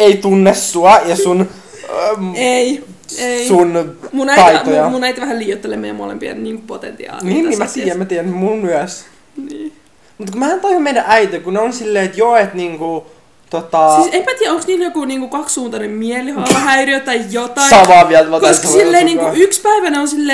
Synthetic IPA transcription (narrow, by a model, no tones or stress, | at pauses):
eit̪unːesːuɑjɑsun | ei | eisunmunæj̪ɑitojɑmunæit̪ʋæhæliːjot̪ːelḛːmejæmo̰lḛmpiɑ̰nniːŋmkupot̪ḛnt̪ḭɑ̰ːlninːiːmæt̪iːjæmæt̪iːjænːmunmyæs | niː | mut̪kumæhænt̪ɑihomejdæʔæit̪ekuneonsilːeːt̪joet̪niːŋku | t̪ot̪ɑsisempæt̪iːæoŋksniːnjokuniːŋkukɑkssuːnt̪ɑnemmielihɑɑʋɑhæyriøt̪ːæjjot̪ɑsɑʋɑːʋiælt̪ʋɑtkososilːeiniːŋkuykspæiʋæneonsilːeː